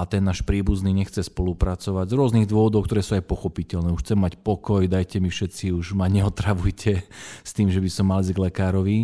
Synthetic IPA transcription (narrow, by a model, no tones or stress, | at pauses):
at̪ɛnːaːʃpɾiːbuzniɲɛxt͡sɛspɔlupɾat͡sɔʋaɟzɾʊɔzniɣd̪ʊɔʋɔd̪ɔʊkt̪ɔɾɛːsuːajpɔxɔpicɛʎnɛːuʃxt͡sɛmːacpɔkɔjd̪ajcɛmifʃɛt͡siuʒmaɲɛɔt̪ɾaʋujcʰɛst̪iːmʒɛbisɔmːalizɡlɛkaːɾɔʋi